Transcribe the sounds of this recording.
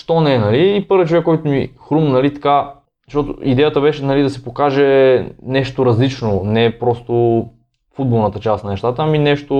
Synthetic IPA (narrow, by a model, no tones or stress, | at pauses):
ʃt̪ɔnɛnɐliːpɤɾvjət͡ʃovɛkːɔjt̪ʊmixɾumnnɐlit̪ɐ̥ka | ʃt̪ɔt̪ʊ̰id̪ɛjət̪əbɛʃɛnɐlid̪ɐsipokaʒɛnɛʃt̪oɾɐzlit͡ʃnonɛpɾɔst̪o | fud̪bolˠnɐt̪ət͡ʃasnɐnɛʃt̪at̪əːminɛʃt̪o